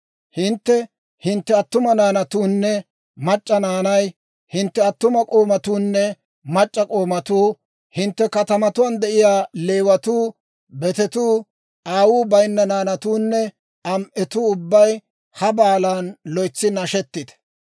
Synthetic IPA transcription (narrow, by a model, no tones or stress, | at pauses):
hɪnt̪ːɛ | hɪnt̪ːɛɐt̪ːʊmɐnaːnɐt̪uːnːɛ | mɐt͡ʃʼːɐnaːnɐj | hɪnt̪ːɛɐt̪ːʊmɐkʼoːmɐt̪uːnːɛ | mɐt͡ʃʼːɐkʼo̞ːmɐt̪uː | hɪnt̪ːɛkɐt̪ɐmɐt̪ʊwɐnd̪ɛʔɪjaːle̞ːwɐt̪uː | bɛt̪ɛt̪uː | aːwuːbɐjnːɐnaːnɐt̪uːnːɛ | ɐmʔɛt̪uːʊbːɐj | hɐbaːlaːnlɔjt͡sːɪnɐʃɛt̪ːɪd̪ɛ̥